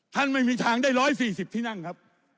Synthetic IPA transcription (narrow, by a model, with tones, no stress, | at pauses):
t̪ʰa˥˩nma˥˩jmiː˧t̪ʰaː˦˥ŋdaː˥˩jɾɔː˦˥jsiː˨˩si˨˩p̚t̪ʰiː˥˩na˥˩ŋkʰa˦˥p̚